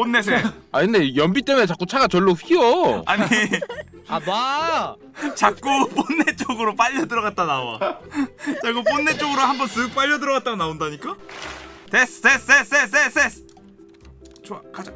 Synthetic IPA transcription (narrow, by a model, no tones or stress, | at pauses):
p͈onːes̬ʰeainde̞jʌmbit͈e̞munet͡ɕak͈ut͡ɕʰaɡat͡ɕʌɭːoɸiʌaɲi | aa | t͡ɕak̚k͈up͈onːet͡ɕ͈oɡɯɾop͈aʎːʌdɯɾʌɣat̚t͈anaʌ̰ | t͡ɕ͈aɡop͈onːe̞t͡ɕ͈oɡɯɾohambʌnsɯk̚p͈aʎːʌdɯɾʌɡat̚t͈aɡonaondaɲik͈a | tess͈es͈es͈es͈es͈es | t͡ɕoakad͡ʑa